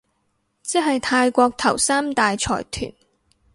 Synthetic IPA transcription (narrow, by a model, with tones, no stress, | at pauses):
t͡si˥ɦɐ˨jt̪ʰaː˧jkʷɔː˧k̚t̪ʰɐ̰˨˩wsaː˥mt̪aː˨jt͡sʰɔ̰ː˨˩jt̪ʰy̰ː˨˩n